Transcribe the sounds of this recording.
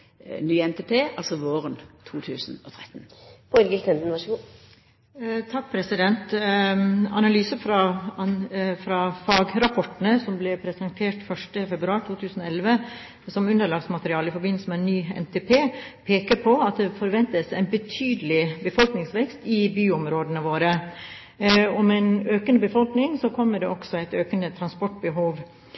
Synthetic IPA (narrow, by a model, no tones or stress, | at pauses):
nyːɛnt̪epʰeːʔɑlsɔʋoːʁənt̪ʰuːt̪ʰʉːsn̩ɔt̪ʰʁɛt̪ːn̩pʰɔɪɾɡɪlt̪ɛnd̪n̩ʋɑʂəɡː | t̪ʰɑk̚pʰɾɛsɪd̪ɛnt̪ | ɑ̰nɑlyːsəfɾɑ | fɾɑfɑːɡɾɑpʰɔʈən̩əsɔmblɛpʰɾɛsənt̪ʰeːʈfœʂʈəfɛbɾʉɑːɾʈ̪ʰuːt̪ʰʉːsn̩ɔɛlʋə | sɔmʉnd̪əɭɑːɡsmɑt̪əɾɪɑːləɪfɔɾbɪnl̩səmɛɛnːyːɛ̰nt̪ʰeːpʰeːpʰeːkəɾpʰɔɑt̪̚d̪ɛfɔɾʋɛnt̪əsæɪnbət̪ʰyːd̪əlɪbəfɔlknɪŋsʋɛkst̪ɪbyːɔmɾoːd̪ənəʋoːɾə | ɔmæɪnøːkənəbəfɔlknɪŋsɔkʰɔmːəɖɛɔksɔæɪt̪øːkənət̪ʰɾɑnspɔʈbəɦuːʋ